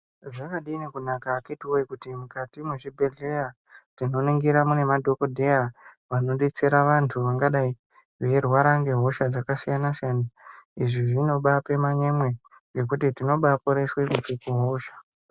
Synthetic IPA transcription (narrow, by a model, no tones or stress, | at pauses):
ʐakaɗiːnekunakaketiwoikutimukatimweʐibʱe̞ɮe̞ja | tino̞niŋɡiɾamune̞madʱo̞ko̞dʱe̞jaʋano̞ɗet͡se̞ɾaʋantʰuʋaŋɡaɗai | ʋe̞rwaɾaŋɡe̞ɦo̞ʃad͡zakasijanasijanaiʐiʐino̞ɓape̞maɲemwe̞ | ɡe̞k̬utitino̞ɓapoɾe̞swekut͡ʃikuɦo̞ːʃḁ